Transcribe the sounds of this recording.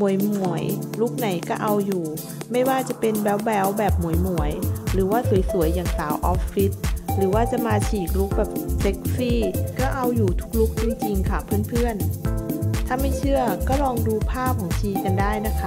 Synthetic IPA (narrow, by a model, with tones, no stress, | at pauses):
mu˨˩˦əjmu˨˩˦əjluː˥˩k̚na˨˩˦jkɔː˥˩ʔa˧wjuː˨˩ | ma˥˩jwaː˥˩t͡ɕa˨˩pe˧nbɛ˦˥wbɛː˦˥wbɛː˨˩p̚mu˨˩˦jmu˨˩˦əjɾɯː˩˦waː˥˩su˩˦jsu˨˩˦əjːaː˨˩ŋsaː˩˦wʔɔː˦˥pːi˦˥t̪̚ɾɯː˩˦waː˥˩t͡ɕa˨˩maː˧t͡ɕʰiː˨˩k̚lu˦˥˩k̚bɛː˨˩p̚se˦˥k̚siː˥˩kɔː˥˩ʔa˧wjuː˨˩t̪ʰu̥˦˥k̚luː˦˥˩k̚t͡ɕi˧ŋt͡ɕi˧ŋkʰa˥˩pʰɯ˥˩ənpʰɯ˥˩ən | t̪ʰaː˥˩ma˥˩jt͡ɕʰɯ˥˩əkɔː˥˩ɾɔː˧ŋduː˧pʰaː˥˩p̚kʰɔː˨˩˦ŋt͡ɕʰiː˧˩kːa˧ndaː˥˩jna˦˥kʰa˦˥